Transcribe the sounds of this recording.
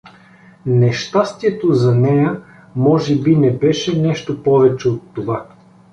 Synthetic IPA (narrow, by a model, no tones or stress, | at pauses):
nɛʃt̪ast̪iɛt̪ozɐnɛjə | mɔʒɛbinɛbɛʃɛnɛʃt̪opɔvɛt͡ʃɛot̪ːova